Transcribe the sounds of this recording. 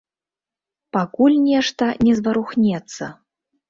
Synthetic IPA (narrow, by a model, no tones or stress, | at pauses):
pakulʲnʲɛʂt̪ɐnʲɛzvɐɾuxnʲɛt̪sːɐ̰